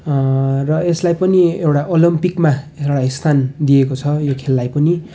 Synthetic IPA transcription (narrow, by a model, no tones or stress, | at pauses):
rʌeslajpʌniewʈaʔolimpikmaeʈaist̪ʰand̪iekot͡sʰʌjokʰelːajpʌni